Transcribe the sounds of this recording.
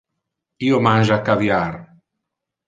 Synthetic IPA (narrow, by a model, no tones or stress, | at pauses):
iːomanʒakːavjar